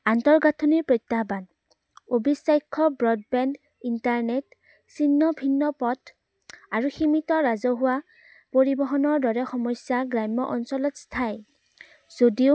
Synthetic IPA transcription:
antɔɹɡatʰɔniɹpɹɔjtːaban | obisajkʰːɔbɹɔd̚bɛnd | intaɹnet | sinːɔbʱinːɔpɔtʰ | aɹuximitɔɹazɔɦʊwa | poɹibɔɦɔnɔɹdɔɹɛxɔmɔsaɡɹajmːɔʔɔnsɔlɔtstʰaj | z̥odiʊ

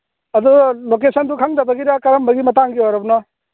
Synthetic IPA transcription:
ɐd̪ulokesʰɐndukʰaŋdɐbɐɡiɾakɐɾɐmbɐɡimɐtaŋɡiɦojɾɐbnɔ

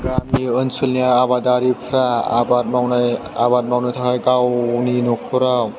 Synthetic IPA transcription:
ɡamiɯnsɯlniaabadaɾipʰɾaa̰bat̚mawnaabat̚mawnajtʰakajɡawninɔkʰɔɾaw

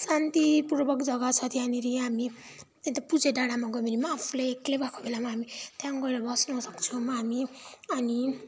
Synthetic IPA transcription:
sant̪ipurbʌkd͡zʌɡʌt͡sʰʌt̪ijaniɾiɦami | t̪et̪ʌpud͡zeɖaɽamaɡʌminimaːpʰulejklebakʰo̥belamaɦamit̪jãŋɡʌeɾʌbʌsnʌsʌkt͡sʰʌmaɦamiʌni

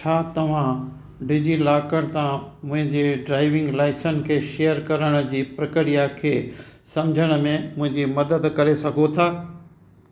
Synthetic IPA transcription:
t͡ɕʰaːt̪ɐʋ̤ã | ɖɪd͡ʑilaːkəɽ̃t̪ãmʊ̃ɦɪ̃ɲd͡ʑeɖɾaːɪʋɪ̃ŋɡlaːɪsənɪ̆kʰeːʃejəɾkɐɾəɽ̃ʊ̆d͡ʑiːpɾɐkɪɾijakʰeːsɐmd͡ʑʱəɽ̃̆mẽmʊ̃ɦɪ̃ɲd͡ʑimɐd̪əd̪kɐɾesɐɡʱot̪ʰaː

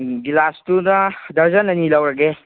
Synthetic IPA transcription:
ɡilastunadɐɾzənɐnilawɾaɡe

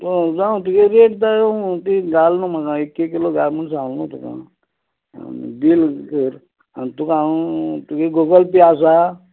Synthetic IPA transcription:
t̪ud͡zãũt̪ukeɾeʈd̪ajõt̪iɡalnumakãekːekiloɡaɾmeɳʈs̬alnut̪ukã̰ | nbilkiɾ | ant̪ukãt̪ukeɡoɡəlpias̬a

